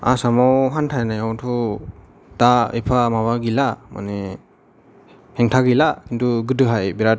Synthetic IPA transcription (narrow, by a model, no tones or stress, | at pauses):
a̰samawɦantʰajnajawtʰu | taḭpʰamaβaɡilama̰ne | hɛŋtʰaɡilakintʰuɡɯdɯɦajbiɾa